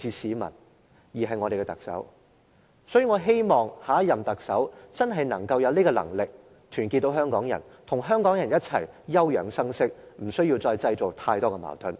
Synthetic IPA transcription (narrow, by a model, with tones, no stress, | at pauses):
iː˧siː˨˥mɐ̰˨˩n | jiː˨˩ɦɐ˨jŋɔː˨˧ɾe˨kɛ˧t̪ɐ˨k̚sɐ̰˨˥w | sɔː˨˥jyː˨˧ŋɔː˨˧ɦe˥jmɔː˨˩ŋhaː˨˥jɐ˨mt̪ɐ˨k̚sɐ˨˥wt͡sɐ˥nɦɐ˨jnɐ˨˩ŋkɐ˧wjɐ˨˧wniː˥kɔː˧lɐ̰˨˩ŋlɪ˨k̚ | t̪ʰyː˨˩nk̬i˧t̪̚ːo˧˥wɦœː˥ŋkɔː˨˥ŋjɐ̰˨˩n | t̪ʰʊ˨˩ŋɦœː˥ŋkɔː˨˥ŋjɐ˨˩njɐ˥t̚t͡sʰɐ̰˨˩jjɐ˥wjœː˨˩ŋsɐ˥ŋsɪ˥k̚m̩˨˩sɵ˥ɥjiː˧wt͡sɔː˧jt͡sɐ˧jt͡so˨w̚t̪ʰaː˧jt̪ɔː˥kɛ˧ma̰ː˨˩t̪ʰɵ˨˧˥n